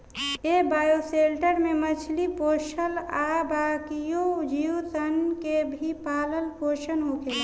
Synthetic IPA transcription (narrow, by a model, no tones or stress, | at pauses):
ebaːjoselʈəɾmẽmət͡ʃʰlipoːʃəlabaːkijod͡ʒiut̪ənkebʱipaːləlpoːʃənɦokʰeːla